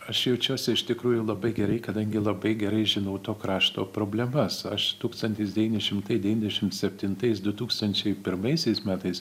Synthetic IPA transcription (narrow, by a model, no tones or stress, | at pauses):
ɐʃjɛʊt͡ʃʲuɔsʲɛɪʃt̪ʲɪkɾuːjʊlˠɐbɐɪɡʲɛɾɐɪkɐd̪ɐŋʲɡʲɪlˠɐbɐɪɡʲɛɾɐɪʒʲɪnɐʊt̪oːkɾɑːʃt̪o̰ːpɾoːbʲlʲɛmɐsɐʃt̪uːkst̪ɐnʲt̪ʲɪsd̪ʲɛʋʲiːnʲɛʃʲɪmt̪ɐɪdʲɛʋʲiːnʲd̪ʲɛʃʲɪmt̪sʲɛpʲt̪ʲɪnt̪ɐɪsd̪ʊt̪uːkst̪ɐnʲt͡ʃʲɛɪpʲɪɾmɐɪsʲɛɪsmʲæːt̪ɐɪs